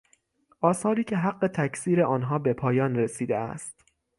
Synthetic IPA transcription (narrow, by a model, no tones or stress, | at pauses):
ʔɒːsɒːɾiːcʰe̞ɦæɢːe̞t̪ʰæcsiːɾe̞ʔɒːnɦɒːbe̞pʰɒːjɒːnɾe̞siːd̪eæ̰st̪